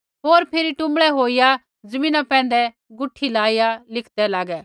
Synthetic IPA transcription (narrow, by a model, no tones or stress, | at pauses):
ɦoːɾpʰeːɾiʈʊ̃mɭɛɦoːija | d͡zɐmĩːnapɛ̃ːnd̪ɛ | ɡʊʈʰːilaːijalɪkʰd̪ɛlaːɡɛ